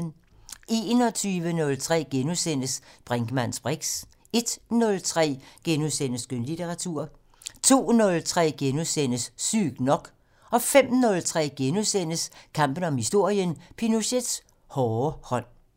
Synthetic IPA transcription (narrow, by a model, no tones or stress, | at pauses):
n | e̝ːnɒt͡sʰyːʋənɔ̽lt͡sʰʁɛ̰ːɡ̥enusen̰əsb̥ʁɛŋɡ̥əmænsb̥ʁeɡ̥s | e̝d̥nɔ̽lt͡sʰʁɛ̰ːɡ̥enuðˠsen̰əsɡ̥ønlit͡sʰeʁɑ̈t͡sʰuɐ̰ | t͡sʰo̝̰ːnɔ̽lt͡sʰʁɛ̰ːɡ̥enusenəsːy̰ːɡ̥nɒ̽ɡ̥ | ɒ̽fem̰nɔ̽lt͡sʰʁɛ̰ːɡ̥enuðˠsen̰əskʰɑ̈m̰b̥ən̩ɒ̽mhisd̥o̝ɐ̰jənpʰinuɕed̥s | hɒːhɒ̽n̰